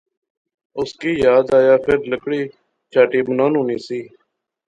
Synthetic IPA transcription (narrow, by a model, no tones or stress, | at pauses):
ʊskiːjaːd̪aːjaːpʰɪɾləkɽiː | t͡ʃʰaːʈiːbənaːnɦoːniːsiː